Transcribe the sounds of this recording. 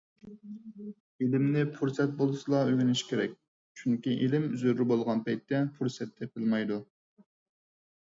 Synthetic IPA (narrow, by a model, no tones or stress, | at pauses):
elɪmnɪpʰuɾsɛt̪̚bolˠɨsɨlˠɑøɡʲɪnɪʃkʲʰeɾɛ̰kʲ | t͡ʃʰyŋkʲiʔelɪmyzyɾɾɪbolˠʁɑnpɛjt̪ːɛpʰuɾsɛt̪ʰːɛpɪlmɑjd̪u